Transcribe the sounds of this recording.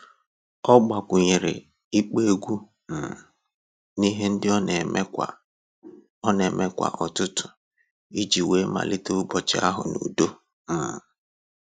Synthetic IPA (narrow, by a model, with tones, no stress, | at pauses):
ɔ˦ɡ͡ba˨kʷʊ˨ɲɪ˨ɾɪ̰˨ | i˦k͡pe˦˨ɡʷu˦ | m̩˨ | ni˦ɦe˦n̩˦dɪ˦˨˦ | ɔ˦ne˨me˦kʷa̰˨ʔɔ˨tʊ˦tʊ̥˨ | i˦d͡ʒi˨we˦ma̰˨lɪ˦to˦ʊ˦ɡ͡bɔ˨t͡ʃɪ˨˦a̰˦ɦʊ̰˨nṵ˨do˦ | m̩˨